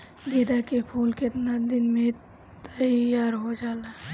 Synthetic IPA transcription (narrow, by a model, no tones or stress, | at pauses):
d̪eːd̪akepʰuːlket̪nad̪ɪnmẽ | t̪əjaːɾɦod͡ʒaːla